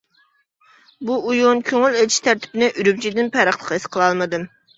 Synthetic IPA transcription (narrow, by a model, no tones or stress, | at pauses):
buujonkʲʰøŋylet͡ʃʰiʃt̪ʰæɾt̪ʰɪ̥pɪnɪʔyɾyp̚ʲt͡ʃʰid̪ɪnpʰæɾəχlˠəqesqʰəlˠɑlˠmɨd̪ɨm